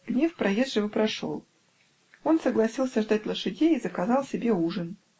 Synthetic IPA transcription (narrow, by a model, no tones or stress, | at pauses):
ɡ̥nʲefpɾɐjezʐɨvəpɾɐʂo̞̰lˠ | o̞nsəɡlˠɐsʲilˠsʲəʐd̪atʲlˠəʂɨdʲejizəkɐzɑlˠsʲɪbʲe̞uʐən